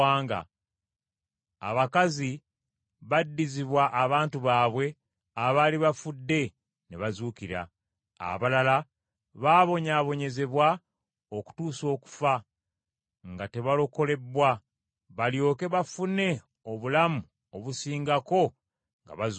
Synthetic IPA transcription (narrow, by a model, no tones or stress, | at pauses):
aːŋɡa̰ | a̰βakazi | βadːiziβwaʔːβaːntuβaːβwe̞ | aβaliβafudːe̞ | neβazuːkiɾa̰ | a̰βalala | βaːβo̞ɲaβo̞ɲe̞ze̞βwa | oku̥tuːso̞ːku̥fa | ŋɡate̞βalo̞ko̞le̞bwa | βaljo̞ːke̞βafune̞ | oβulamu | oβusiːŋɡako̞ | ŋɡa̰βaz